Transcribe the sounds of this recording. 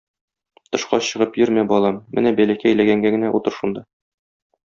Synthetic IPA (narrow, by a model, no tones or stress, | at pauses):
t̪ɤ̆ʃqɑ̰ɕɤ̆ʁɤpjɵɾmæbɒlˠɑmːɘ̰næbælækæːjlæɡæŋɡæɡɘ̆næʔut̪ɤɾʃund̪ɑ